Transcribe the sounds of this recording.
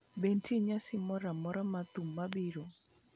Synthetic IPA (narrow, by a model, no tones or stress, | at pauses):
bentʰiɲasɪmɔɾamɔɾamat̪umːabiɾo